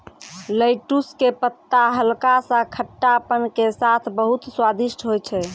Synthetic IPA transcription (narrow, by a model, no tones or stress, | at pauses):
ləɪʈuskepət̪ːaɦəlkasə̃kʰəʈːapənkesat̪ʰbəɦut̪swad̪iʃʈʰɦojt͡ʃʰɛ